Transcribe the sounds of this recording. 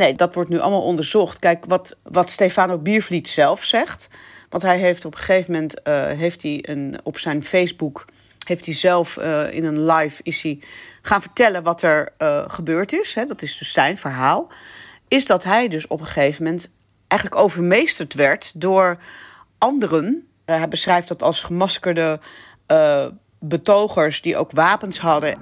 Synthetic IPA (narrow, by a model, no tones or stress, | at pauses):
nejdɑtʋɔɹtnyʔɑ̰lˠmaːlˠɔndəɹzɔχtkɛjkʋɑtʋɑtstejfaːnobiːɹvlitsɛlˠfsɛχt | ʋɑ̃ntɦɛjɦejftɔpχəχejvəmɛntɦejftiə̰nɔpsɛjnfejzbuk | ɦejftizɛlˠfɪ̰nənlɑjfɪsiχaːnvəɹtɛlənʋɑtɛɹχəbøːɹtɪsɦɛdɑtɪzdɵsːɛjnvəɹɦaːlˠ | ɪsdɑtɦɛjdɵsɔ̰pχəχejvəmɛnt | ʔɛjχənləkowvəɹmejstəɹtʋɛɹtdʊːɹ | ʔɑndərən | ɦɛjbəsrɛjftdɑtɑlˠsχəmɑskəɹdə | bətowχəɹsdiʔo̰wkʋaːpənsɦɑdə